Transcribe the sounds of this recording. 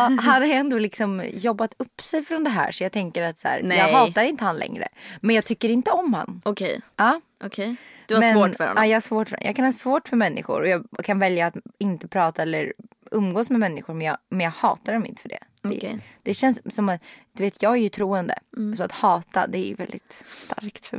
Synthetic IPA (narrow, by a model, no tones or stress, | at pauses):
ɦad̪ɛnd̪oːlɪksɔmjɔbːat̪ɵpːsɛjfɾɔnd̪ɛɦæ̰ːʂɔjɑːɡt̪ʰɛŋkəɾat̪sæ̰ːɾjɑːɡhɑːaɾɪnt̪əhanlʔɛ̰ŋɾə̰mɛnjɑːɡ̚t̪ʰʏkːəɾɪnt̪əɔmha̰nːɔkʰɛ̰jɑː | ʔɔkʰejd̥̪mɛoːfœ̰ɾɛ̰ʔjɑːɡhaʂvoːʈfœ̰jɑ̰ːkʰanhɑːsvoːʈfœɾmɛnːʔɪ̰ɧʊ̰ɾɔjɑːkʰanvɛljaːt̪ɪnt̪əpʰɾɑːt̪aɛlːəɾ | ɵmɡoːsmɛmɛnːɪɧʊɾmɛnjɑːmɛnjɑːɡhɑ̰ːt̪adɔmɪ̰nt̪ə̥fœɖɛ̰d̥̪ɛ̰d̪̥ɛɕɛnsːɔmat̪d̪̥ɵveːt̪ʰjɑːɡæɾjɵt̪ʰɾuːənd̪ə̰sɔat̪hɑːt̪a̰d̪ɛæ̰j̰vɛld̪ɪt̪st̪a̰ɾkt̪fœ